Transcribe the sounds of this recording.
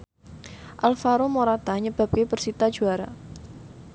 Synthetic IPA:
ʔalfaɾomoɾat̪aɲəb̥a̤p̚kebərsit̪ḁʒ̥ṳaɾa

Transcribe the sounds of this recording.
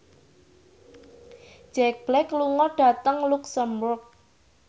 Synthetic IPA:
d͡ʒ̥ɛk̚b̥lɛkluŋɔɖ̥ä̤t̪əŋluksəmbʊrk̚

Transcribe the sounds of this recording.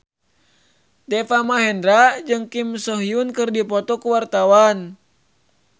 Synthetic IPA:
t̪ɛfamaɦɛndɾad͡ʒɨŋkimsɔɦiunkɨrdipɔt̪ɔkuwart̪awan

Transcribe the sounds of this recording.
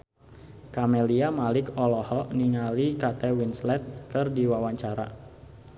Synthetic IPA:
kamɛliamalɪkɔlɔhɔʔniŋalikat̪ɛwinslɛt̪̚kɨrdiwawaɲt͡ʃaɾa̰

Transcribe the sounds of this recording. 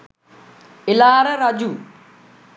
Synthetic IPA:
ɪlaːɾɐɾɐd͡ʒu

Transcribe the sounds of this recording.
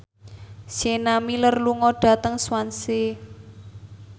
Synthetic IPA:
senamilərluŋɔɖ̥a̤t̪əŋswanse

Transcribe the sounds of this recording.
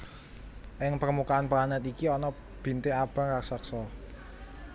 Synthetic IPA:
ʔɪŋpərmukaanplanɛt̪ikiɔnɔ | b̥i̤nt̪eab̥a̤ŋkaksaksɔ

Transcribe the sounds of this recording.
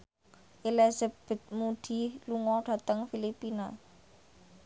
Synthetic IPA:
ʔilezeb̥ə̤t̪̚mud̪̥i̤luŋɔɖ̥ä̤t̪əŋfilipina

